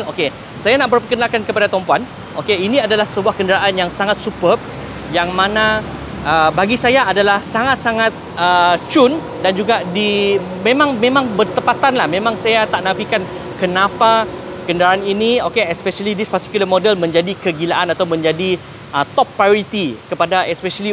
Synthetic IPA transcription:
o̰ke | sajanaʔpərpəkənakankəpadat̪ɔmpoan | ʔokeinĩadalahsəbuahkəndəɾaʔanjaŋsaŋat̪̚supə | jaŋmãnã | ʔəbaɡisajaːdalahsaŋat̪̚saŋat̪̚ət͡ʃun | dand͡ʒuɡadi | mẽmãŋmẽmãŋbərt̪əpat̪anlahmẽmãŋsajat̪aʔnãfikan | kənãpakəndəɾaaniniokeɛspɛʃəlidispart̪i̥kjuləmodɛlmə̃ɲd͡ʒadikəɡilaʔanat̪awmə̃ɲd͡ʒadi | ʔət̪ɔpːaɾit̪ikəpadaɛspɛʃəli

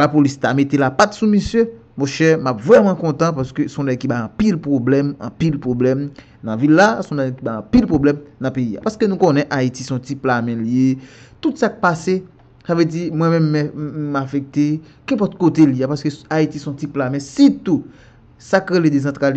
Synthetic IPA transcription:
lapolistamet̪elapat̪sumisjø | mɔ̃ʃɛmapvʁɛmɑ̃kɔ̃t̪ãpaskøsɔ̃d̪akibaɑ̃pilpʁoblɛmɑ̰̃pilpʁoblɛm | nɐ̃vilːasɔ̃dakibaɑ̃pilpʁoblɛmnɐ̃peia̰paskønũkõnɛ̃ʔaitisɔ̃tiplamɛ̃ljet̪ut̪sak̚pase | savød͡zimwɛ̃mɛ̃mːɛmafɛk̚t̪e | kɛ̃pɔt̪̚kot̪eliapaskøaitisɔ̃tiplamɛ̃sit̪u | sakɣeled̪ezɑ̃t̪ʁal

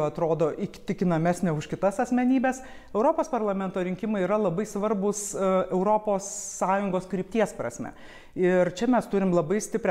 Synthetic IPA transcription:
ɐt̪ɾoːd̪oːʔɪkʲt̪ʲɪkʲɪnɐmʲæsʲnʲɛʊʃkʲɪt̪ɐsɐsʲmʲɛnʲiːbʲɛs | ɛʊɾoːpoːspɐrlˠɐmʲɛnt̪oːɾʲɪŋʲkʲɪmɐɪiɾɐlˠɐbɐɪsʋɐrbʊsɛʊɾoːpoːsːɑːjʊŋɡoːskɾʲiːp̚ʲt̪ʲiɛspɾɐ̰sʲmʲɛ̰ | ɪɾt͡ʃʲɛmʲɛst̪ʊɾʲɪmlˠɐbɐɪsʲt̪ʲɪpʲɾʲɛ

